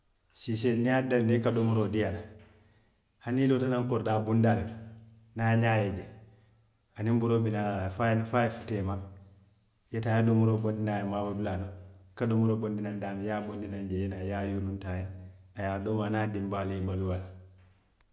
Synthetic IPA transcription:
siseniadalnekadomuɾodiala | hanilotanaŋkoɾdaːbundaladu | naɲajed͡ʒe | animbuɾobinalalafajnfajefu̥tema | jetaːjadomuɾobondinajamabadulanokadomuɾobondinandanjabondinand͡ʒejenajajonuntajaajadomanadimbaliimbaluwala

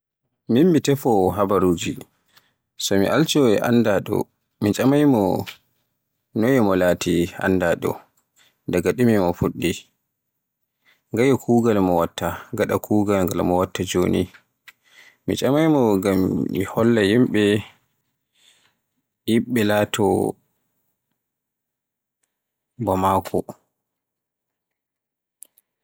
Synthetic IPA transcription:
mimmitɛfɔɦabaɾuːd͡ʒi | sɔmḭʔalt͡ʃɔɛ̰ʔa̰ndaɗɔ̰ | mit͡ʃʼamajmɔ | nɔjɛmɔlaːtia̰ndaɗɔ̰ | dɛɡaɗimimɔfuɗːi | ŋɡajɔkʰuːɡalmɔwatːaɡaɗakʰuːɡalŋɡalmɔwatːad͡ʒoːnḭ | mit͡ʃʼamajmɔɡamːḭhɔlːajimɓɛ | jiɓːɛlatʰɔ̰ | bɔmakʰɔ̰

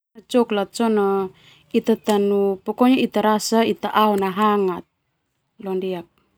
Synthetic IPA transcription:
t͡ʃɔklat̪̚t͡ʃona | it̪at̪anupɔkoɲoit̪aɾasait̪aʔaonaɦaŋat̪̚ | londiak̚

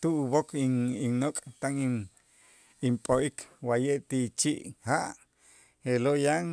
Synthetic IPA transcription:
t̪uʔuβokʰiiŋnokʼt̪aŋi | impʼoʔikʰwajeʔt̪it͡ʃiʔhaʔ | helojaŋ

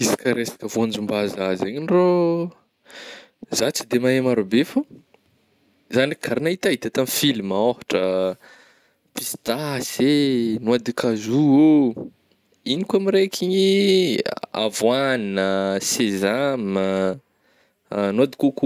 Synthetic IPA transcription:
izi̥kaɾesḁkəvoand͡ʒumbazazeɲinro | zat͡sid̪emaemaɾobefa | zanikʰaɾinait̪ait̪at̪amfilmoɦḁʈ͡ʂə | pist̪asenuad̪ikazuo | inikamiɾekʰiɲi | a̰vwaninəsezamə | nuad̪i̥kuku

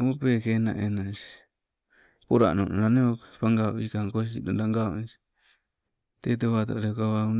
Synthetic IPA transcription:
opekena̰ʔenas | poɾa̰nonoɾaneopaŋɡao̰ʔikaŋkos̬idondaŋɡaṵis | t̪et̪̬oβat̪o̰ɾekaβaun

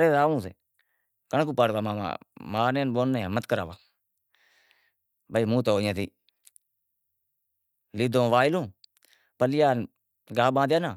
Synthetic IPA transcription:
ɾeːsaːʋũːsḛː | kəɳkuːpaɽʋaːmaːma̰ːmaːneːnboːnːẽːmət̪kəɾa̰ːʋaː | bəiːmũːt̪oːjãːt̪iː | liːd̪õːʋaːɪlõː | pəlɪjaːn | ɡaːbãːd̪jaːnaː

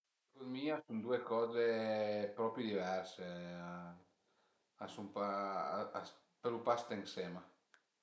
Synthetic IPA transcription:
kud̪miːasund̪uekɔːzepɾɔpɾid̪ivɛɾse | asumpaas | peɾupast̪eŋsɛːma

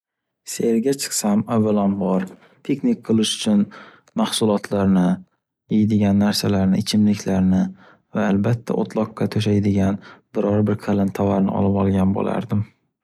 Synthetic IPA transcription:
seɾɡʲat͡ʃʰɨ̥qsamavːalanbɒɾ | t̪ʰe̞knik̚ʲqʰɨlˠɪʃʊ̥t͡ʃʰʊn | mahsʊlˠɒt̪ʰlaɾnɪ | jejɪd̪ɪɡʲanːaɾsalaɾnɪɪt͡ʃʰɪmlɪkʲʰlaɾnɪ | vaːlbat̪ʰːa̰ʔo̰t̪ʰlˠɒqːɑt̪ʰɵʃ̬ajd̪ɪɡʲanbɪɾɒɾbɪɾkʰalɪnt̪ʰavaɾnɪ̰ɒ̰lɪpɒlˠɡʲanbo̰la̰ɾd̪ɪm

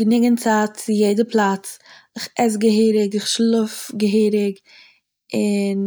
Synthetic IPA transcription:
ɡənɪɡənt͡saːt̚t͡sɪjeɪdəplˠat͡sɪχɛs̬ɡəɦiːɾɪɡɪχʃlˠʊfɡəɦiːɾɪɡ | ɪn

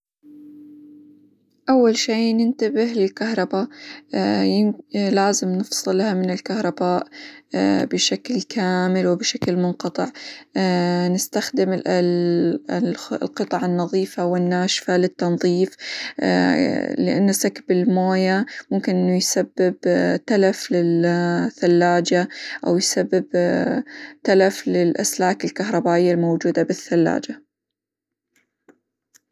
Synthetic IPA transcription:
ʔawːalʃiːnɪnt̪abɪhlɪlkahɾˤɑba | jɪlaːzɪmnɨfsˤɨlːahamɪnɪlkahɾˤɑbaːʔ | bɪʃaklkʰaːmɪlwɪbɪʃaklmʊnqɑt̪ˤɨʕ | nɪst̪axd̪ɪm | lqɨt̪ˤɑʕɑnːɑðˤiːfawɪnːaːʃfalɪt̪ːɑnðˤiːf | lɪʔa̰nːasakbɪlmoːjamʊmkɪnʔɪnːujsabːɪbt̪alaflɪlθalːaːd͡ʒaʔawjsabːɪb | t̪alaflɪlʔa̰slaːkɪlkaɦɾˤɑbaːʔɪjːalmowd͡ʒuːd̪abɪθːalːa̰ːd͡ʒa

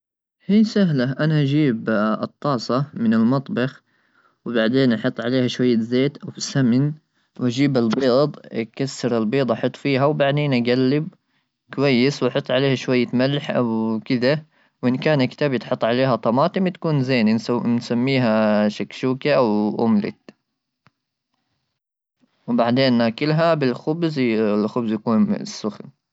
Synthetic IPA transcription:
hiːsaɦlaʔanaʔd͡ʒiːbɨt̪ˤːɑːsˤɑmɪnɪlmɑt̪ˤbɑx | wbaʕd̪eːnʔɑħɑt̪ˤːʕaleːhaʃwajːazeːt̪ʔawfisamn | wʔad͡ʒiːbɪlbeːd̪ˤkasːɪɾɪlbiːd̪ˤʔɑħʊt̪ˤːfiːɦawbaʕd̪eːnʔaɡalːɪb̚ | kwajːɪswʔɑħʊt̪ˤːʕaleːhaʃwajːamalħʔawkɪd̪a | wʔɪnkaːnakt̪aːbjɪt̪ħʊt̪ˤːʕaleːɦat̪ˤɑmɑːt̪ɪmt̪ḁkuːnzeːnnsamːiːɦaʃakʃuːkaʔawʔʊ̰mlɪ̰t̪ | wbaʕd̪eːnːaːkɪlɦabɪlxʊbzlxʊbzjakuːnsːʊxl

